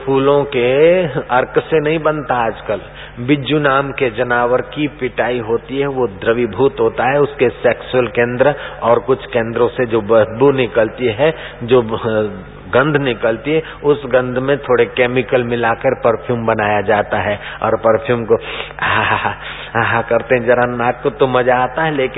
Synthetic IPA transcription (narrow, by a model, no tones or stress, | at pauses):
pʰuːlõkeɐɾksenɐɦĩbənt̪aaːd͡ʒkəl | bɪd͡ʒunaːmked͡ʒɐnaːwəɾkipɪʈaːiɦoːt̪iɦɛʋod̪ɾəʋibʱuːt̪ɦoːt̪aɦɛʊskeseːksʊəlkẽːnd̪ɾəɔːɾkʊt͡ʃʰkẽːnd̪ɾõsed͡ʒobəɦbunɪkəlt̪iɦɛ | d͡ʒoː | ɡə̃nd̪ʱnɪkəlt̪iɦɛ | ʊsɡɐ̃nd̪ʱmẽt̪ʰoːɽekeːmɪkəlmɪlakəɾpəɾpʰjuːmbɐnaːjad͡ʒaːt̪aɦɛɔ̰ːɾpəɾpʰjuːmkoɦa | ɦãkɐɾt̪ẽɦɛ̃d͡ʒɐɾanaːkkot̪omɐd͡ʒaːt̪aɦɛleːkɪ